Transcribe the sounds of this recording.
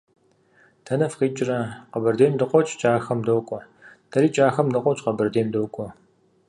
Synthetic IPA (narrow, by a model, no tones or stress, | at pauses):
tʰɐnɐfqiːt͡ʃʼɪrɐqɐbɨrdeːmdɨqʷʼɔt͡ʃʼt͡ʃʼaːxɐmdoːkʷʼɔ | tʰɐɾiːt͡ʃʼaːxɐmdɨqʷʼɔt͡ʃʼqɐbɨrdeːmdowkʷʼɔ